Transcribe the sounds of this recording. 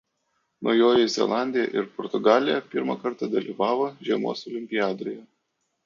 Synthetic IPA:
nojoːjɪzʲɛ̰lˠɑˑnʲd̪ʲɪjɛ̰ʔɪɾpɔɾt̪ʊɡɑːlʲɪjɛpʲɪɾmɐkɐɾt̪ɐd̪ɐlʲḭːʋɑːʋoːʒʲiɛmo̰ːsɔlʲɪmʲpʲɪjɑːd̪ojɛ

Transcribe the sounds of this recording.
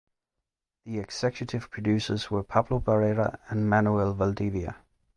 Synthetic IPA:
ðiɛksɛkʰjətʰɪv̥pʰɹ̥ədʉˑsəzwəpʰʌpʰləbəɹɛɹə̰ə̃nmanjuɛlˠvəlˠdiviə̰

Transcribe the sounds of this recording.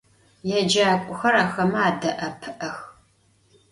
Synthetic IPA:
jɛd͡ʒaːkʷʼʊxɐɾaːxɐmɐaːdɐʔɐpʰɨʔɐx

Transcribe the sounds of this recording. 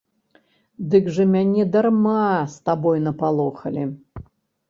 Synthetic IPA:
d̪ɨɡʐɐmʲanʲɛd̪ɐrmast̪abɔjnɐpalˠɔxɐlʲi

